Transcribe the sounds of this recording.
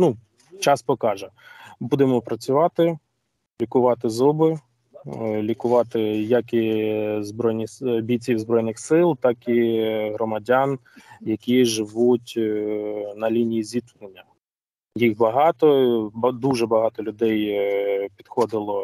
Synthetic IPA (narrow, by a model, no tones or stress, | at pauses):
nu | t͡ʃɑspɔkɑʒɛbud̪emɔpɾɐt͡sʲʊʋɑt̪ɪ | lʲikʊʋɑt̪ɪzɔbɪ | lʲikʊʋɑt̪ɪjɐkizbɾɔjnʲiɐbʲit͡sʲiwzbɾɔjnɪxsɪlˠt̪ɑkiɦɾɔmɐdʲan | jɐkʲiʒɪʋutʲ | nɐlʲinʲijizʲit̪nenʲːɐ | jixbɐɦɑt̪ɔbd̪uʒɛbɐɦɑt̪ɔlʲʊd̪ɛjpʲid̪xɔd̪ɪlˠɔ